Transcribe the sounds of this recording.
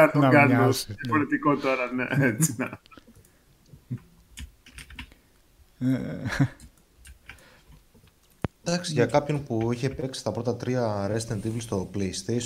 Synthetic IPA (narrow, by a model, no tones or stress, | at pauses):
ɐt̪onɡɐnosijɐfoɾet̪ikot̪o̞ɾɐnḛet͡sinɐ | e | d̪ɐksʝɐkɐpço̞npuiçe̞peksi̥st̪ɐpɾo̞t̪ɐt̪ɾiɐɾest̪end̪ivlst̪o̞pleist̪es